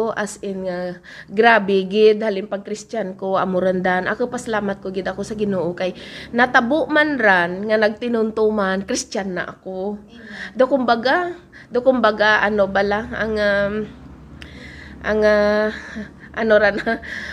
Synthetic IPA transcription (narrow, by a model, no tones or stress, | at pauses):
ʔasʔɪnŋa | ɡɾaːbɪɡɪd̪̚haːlɪŋpɐɡ̚kɾɪst̪ankoʔɐ̰moɾɐnd̪anʔɐ̰kopɐsɐlaːmɐt̪̚koɡɪd̪ɐko̞sɐɡɪnoːʔokajnɐt̪ɐbʊʔmanɾanŋɐnɐɡ̚t̪ɪnʊnt̪omankɾɪst͡ʃanːɐ̰ʔɐko | d̪okʊmbaɡa | d̪okʊmbaɡaʔɐnobalaɐŋa | ʔaŋa | ʔɐnoɾana